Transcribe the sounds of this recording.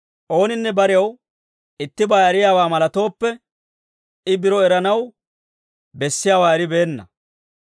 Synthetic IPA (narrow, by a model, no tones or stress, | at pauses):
ʔo̞ːnɪnːɛbɐɾɪjɐw | ɪt̪ːɪbaːɐɾɪjaːwaːmɐlɐt̪o̞ːpːɛ | ɪbɪɾɔɛɾɐnɐw | bɛsːɪjaːwaːɛɾɪbe̞ːnːɐ̰